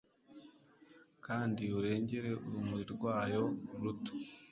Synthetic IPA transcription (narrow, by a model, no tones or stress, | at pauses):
kaːndiuɾe̞ːɲɟe̞ɾe̞ʔuɾumuɾiɾɡwaːjo̞uɾuto̥